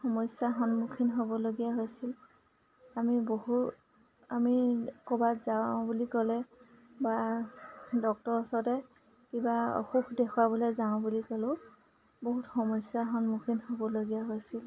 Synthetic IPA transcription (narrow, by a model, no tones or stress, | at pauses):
xɔmɔsjaxɔnmukʰinɦobɔloɡijaɦojsil | amiboɦut | amikɔbatzabulikɔlɛba | dɔk̚tɔɹɔsɔtɛ | kibaɔ̰xukʰdɛkʰwabɔlɔjzaʊ̃bulikɔlʊ̃ | boɦutxɔmɔsjaxɔnmukʰinhobɔloɡijaɦojsil